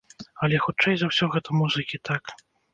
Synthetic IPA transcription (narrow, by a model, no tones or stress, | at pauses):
ɐlʲɛxut͡ʂɛjzɐwsʲɔɣɛt̪umuzɨkʲit̪ak